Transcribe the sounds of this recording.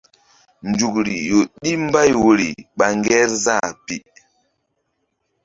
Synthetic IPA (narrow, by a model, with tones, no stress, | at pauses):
nd͡ʒu˨kɾi˨jo˨ɗi˦m˦ba˦jwo˨ɾḭ˨ɓa˨ŋɡɛ˦ɾza˦˨pi˨